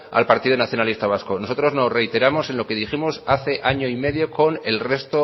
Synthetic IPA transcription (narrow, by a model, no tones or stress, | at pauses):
a̰lpaɾt̪iðonaθjo̞nalist̪aβ̞asko̞no̞so̞t̪ɾo̞zno̞sre̞jt̪e̞ɾamo̞se̞nlo̞ke̞ðiximosaθe̞ʔaɲo̞ime̞ðjo̞ko̞ne̞lre̞st̪o